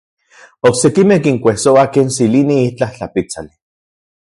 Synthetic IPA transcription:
oksekimehkiŋkʷehsoakeːnsiliniit͡ɬaht͡ɬapit͡sali

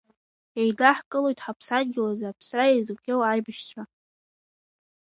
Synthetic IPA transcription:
ejdaħkʼɨlojtʼħapʰsanɡʲɪlazaːpʰsrajejzɡʷʲewajbaʃt͡ʃʰa

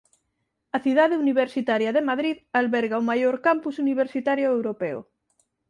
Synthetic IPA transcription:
ɐθiðaðeuniβ̞eɾsit̪aɾjaðemaðɾiðalβɛɾɣaomajoɾkampusuniβ̞eɾsit̪aɾjoewɾopeo̰

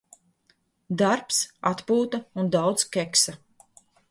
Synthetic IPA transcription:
d̪aɾpsat̪puːt̪aund̪awdt̪skʲɛksa

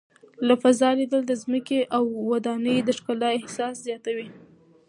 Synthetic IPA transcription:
lafazɑlid̪əld̪əzməkeʔawːad̪ɑnəjd̪əʂkalɑɪhsɑszjɑt̪awi

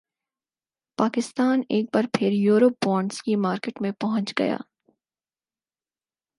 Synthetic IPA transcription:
paːkɪst̪aːneːk̚baːɾpʰɪɾjuːɾop̚bɔ̃ːɳɖskimaːɾkeːʈmẽpɐɦʊ̃ɲt͡ʃɡɐ̰ja̰ː

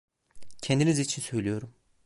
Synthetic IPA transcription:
cʰend̪inizit͡ʃʰinsø̞jlijo̞ɾum

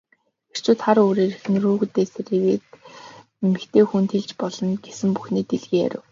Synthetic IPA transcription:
xer̥t͡ɕʰʊːt̪χaɾoːɾeːɾexnruːɣut̪eːseɾiweːt̪ | emɘ̆kt̪ʰeːxunt̪ʰeɮt͡ɕpɔɮɞ̆nɡ̥esɘ̆mpuxniːt̪eɮɣeːæ̰ɾʲɪ̰̆w

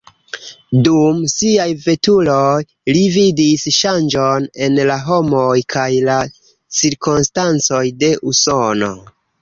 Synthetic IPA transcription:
dumsiajve̞tuloj | lividisʃand͡ʒo̞ne̞nlaɦo̞mojkʰajla | t͡siɾkonstant͡so̞jde̞ʔuso̞no̞̰

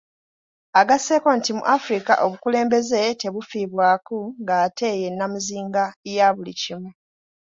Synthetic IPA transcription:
aɡase̞ːko̞ntimṵʔafɾika̰ʔo̞βukule̞ːmbe̞ze̞te̞βufiːβwaːkuŋɡaːtʰe̞ːje̞nːamuziːŋɡajaβulḭcimu

